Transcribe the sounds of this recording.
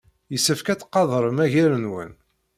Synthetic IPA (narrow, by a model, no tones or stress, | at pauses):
jəsːəfkæt͡sːqːɑðˤɾˤəmæʝiɾənwə̰n